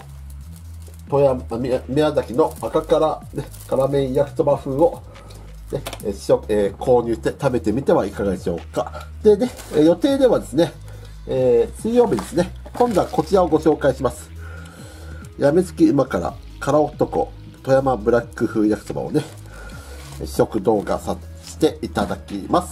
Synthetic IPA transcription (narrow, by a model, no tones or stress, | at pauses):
t̪ojamʲiazakʲino̞akakaɾane | kaɾamẽĩjakɯ̟̥t̪obaɸɯ̟ːo̞ | ne̥oeːkʰo̞ːɲ̟ɯ̟ːɕi̥t̪e̞t̪abe̞t̪e̞mʲit̪e̞βaikaɡad̪e̞ɕio̞̰ːkːa | d̪̥e̞d̪e̞ | jo̞t̪e̞ːd̪e̞βad̪e̞sɨne̞ː | sɨijo̞ːbʲid̪e̞sɨne̞ | kõ̞nd̪o̞ako̞t͡ɕiɾao̞ɡo̞ɕo̞ːkaiɕimasɨ̥ | jamezɨ̥kʲiːmakaɾa̰ | kaɾao̞t̪ːo̞ko̞̰ | t̪o̞jamabɯ̟ɾakːɯ̟ɸɯ̟ːjakɯ̟̥t̪o̞ba̰o̞̰ne̞ | o̞kɯ̟d̪o̞ːɡa̰sa | ɕi̥t̪e̞it̪ad̪akʲḭmasɨ̥